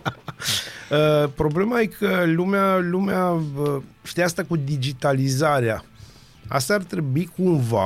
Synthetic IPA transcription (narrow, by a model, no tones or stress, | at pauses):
əpɾo̞ble̞majekʰəlumealumeaəʃi̥t̪ijaast̪akud̪id͡ʒit̪alizaɾea̰ | a̰st̪aːrt̪ɾe̞buikumva̰